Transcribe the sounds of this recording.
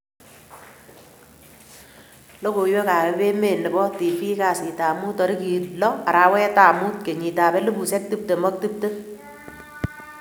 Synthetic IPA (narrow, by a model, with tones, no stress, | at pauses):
lo˦ko˨jwe˦ka˨pɛ˨pe˦me˨nɪ˨bɔ˦ti˨fi˦ka˨si˨ta˨mu˦tɔ˨ɾɪ˦ki˨lɔ˦a˨ɾaː˨˦wɛ˦ta˨mu˦t̚ke˨ɲi˨taː˨pɛ˦lo˦bu˨sɛ˦k̚tɨ˦p̚te˨mɔ˦k̚ti˦p̚te˦